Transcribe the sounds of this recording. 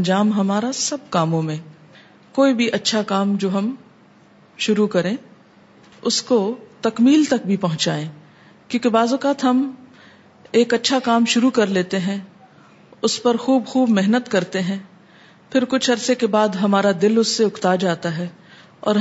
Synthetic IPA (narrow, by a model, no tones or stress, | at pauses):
d͡ʒaːmɦɐmaːɾasɐb̚kaːmõmẽ | koːibʱiʔɐtːʃʰakaːmd͡ʒoːɦɐm | ʃʊɾukɐɾẽː | ʊskot̪ɐkmiːlt̪ɐk̚bʱipɐɦʊ̃t͡ʃaːẽː | kjõːkebaːzɔkaːt̪ɦɐm | eːkɐtːʃʰakaːmʃʊɾukɐɾleːt̪eɦɛ̃ | ʊspɐɾxuːbxuːbmɪɦnət̪kɐɾt̪eɦɛ̃ː | fʰɪɾkʊt͡ʃʰɐɾsekebaːd̪ɦɐmaːɾad̪ɪlʊsːeʊkʰt̪ad͡ʒaːt̪aɦɛː | ɔ̰ːɾ